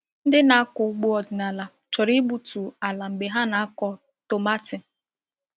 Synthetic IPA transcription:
n̩˦dɪ˦na˨a˦kʊ˨u˦ɡ͡bu˦ɔ˨dɪ˨na˨la˨ | t͡ʃɔ˨ɾi˦bu˨tu˨a˨la˨ŋ͡m̩˨ɡ͡be˨ɦa˦na˨a˦kɔ˦ | to˨ma˦tɪ˨

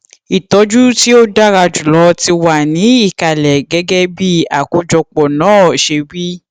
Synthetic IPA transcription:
i˨tɔ˨˦d͡ʒu˦ti˦o˦da˦ɾa˧d͡ʒu˨lɔ˨˧˦ti˧wa˨nĩ˨˦i˦˨ka˨lɛ˨ɡɛ˨˦ɡɛ˦bi˦a˨ko˧d͡ʒɔ˧k͡pɔ˨nãː˨˦˨ʃe˧wi˦

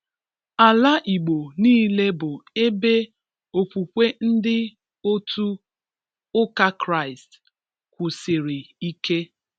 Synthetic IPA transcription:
a˨la˦ʔi˨ɡ͡bo˨niː˦le˦bʊ˨e˦be˦ | o˨pu˨kʷe˦n̩˦dɪ˦ | o˦tu˦ | ʊ˦ka˦kɾa˦˨ɪ˨st | kʷʊ˨sɪ˨ɾi˨i˦ke˦

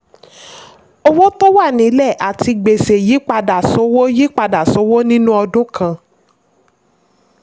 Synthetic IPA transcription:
o˦wo˦to˦wa˦˨nĩ˨˦lɛ˦˨ʔa˨ti˧ɡ͡be˨se˨ji˨˦k͡pa˧da˨so˨˦wo˦ji˦k͡pa˧da˨so˨˦wo˦nĩ˦nũ˦ɔ˧dũ˦kʰã˧˨

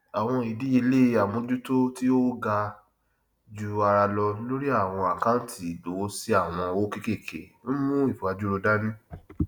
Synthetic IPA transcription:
a˨w̃ɔ̃˧i˨di˨˦i˧le˦a˨mũ˧˦d͡ʒu˦to˦ti˦o˦ɡa˧ | d͡ʒu˧˦a˧ɾa˧lɔ˧nĩ˦lo˦ɾi˦a˦˨w̃ɔ̃˧a˨ka˦n̩˦tʰi˦˨lo˨˦si˦a˦˨w̃ɔ̃˧o˦ke˦ke˦˨kʰḛ˨n̩˦mũ˦i˦˨fu˨a˧d͡ʒu˦ɾo˧da˦nĩ˦

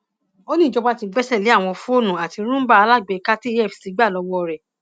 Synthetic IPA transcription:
o˦nĩ˦˨d͡ʒɔ˧ba˦ti˧ɡ͡bɛ˦sɛ˦˨le˨˦a˦˨w̃ɔ̃˧fũ˦o˦˨nũ˨a˨ti˧ɾ̃ũ˦m̩˦ba˦a˧la˦˨ɡ͡be˨˧ka˦ti˦ɛ˦˨fi˨si˨˧˦ɡ͡ba˦˨lɔ˨˧˦wɔ˦˧˨ɾɛ˨

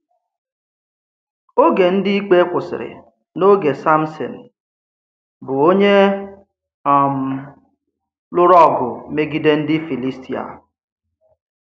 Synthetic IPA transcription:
o˦ɡe˨n̩˦dɪ˦i˦k͡pe˦kʷʊ˨sɪ̰˨ɾɪ̰˨ | no˦ɡe˨sa˦m̩˦sɔ̰˨n̩˨ | bʊ˨o˦ɲe˦ | a˨m̩˨ | lʊ˦ɾɔ˦˨ɡʊ˨me˦ɡi˦de˦n̩˦dɪ˦fi˨li˦sti˨a̰˨

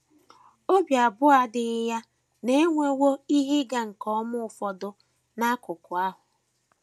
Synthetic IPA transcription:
o˦bja˨bʊ˦a˦dɪ˨ɪ˦ja˦ | ne˦ŋʷe˦wo˦i˦ɦi˦ɡa˦ŋ̩˨kɔ˦mʊ˦ʊ˨fɔ˨dʊ˦ | na˦kʊ˨kʊ˨a˦ɦʊ˨

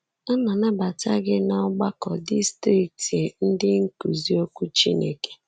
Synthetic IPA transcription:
ɔ˦nɔ˨na˦ba˨ta˦ɡɪ˦nɔ˦ɡ͡ba˦kɔ˨di˦stɾi˦˨k̚ti˨n̩˦dɪ˦ŋ̩˦ku˨zi˦o˦kʷu˦t͡ʃi˦nḛ˨ke̥˨

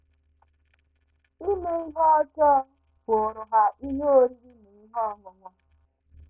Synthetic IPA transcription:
i˦me˦i˦ɦɔ˦ɔ˦t͡ʃɔ˦ | ko˨ɾʊ˨ɦa˨ʔi˦ɦo˦ɾi˦i˦ni˨i˦ɦɔ˦ŋʊ˨ŋʷa˦

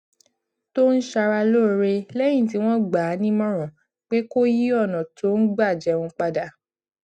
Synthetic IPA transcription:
to˦n̩˦ʃa˧ɾa˧lo˦˨˦ɾe˧lɛ˦j̃ĩ˦˨t̬i˨˦w̃ɔ̃˦ɡ͡ba˨˦nĩ˦mɔ̃˦ɾ̃ɔ̃˨ | k͡pe˦ko˦ji˦ɔ˦˨nã˨to˨˦n̩˦ɡ͡ba˦˨d͡ʒɛ˨˦wũ˧k͡pa˧da˧˨

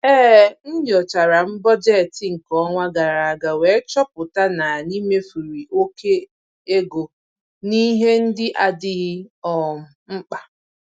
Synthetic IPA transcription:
ɛː˦n̩˦dɪ˨ɔ˨t͡ʃa˨ɾa˨m̩˦bɔ˦d͡ʒɛ˦˨tɪ˨ŋ̩˨kɔ˦ŋʷa˦ɡa˨ɾa˨a˨ɡa˨we˨˦t͡ʃɔ˦pʊ˨ta˦na˨ni˦me˦fu˨ɾi˨ʔo˦ke˦ | e˦ɡo˨ | ni˦ɦe˦n̩˦dɪ˦ʔa˦dɪ˦ɣɔ˨m̩˨ŋ͡m̩˦k͡pa˦

